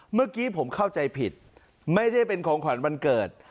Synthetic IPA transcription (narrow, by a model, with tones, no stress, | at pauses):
mɯ˥˩ɐkiː˦˥pʰo˩˦mkʰa˥˩wt͡ɕa˧jpʰḭ˨˩t̪̚ | ma˥˩jda˥˩jpe˧nkʰɔː˩˦ŋkʰwa˩˦nba˧nkɤː˨˩t̪̚